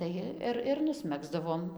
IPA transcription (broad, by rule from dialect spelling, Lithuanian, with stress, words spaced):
ˈtɐɪ ɪr ɪr nʊsʲˈmʲæːɡzdɐʋoːm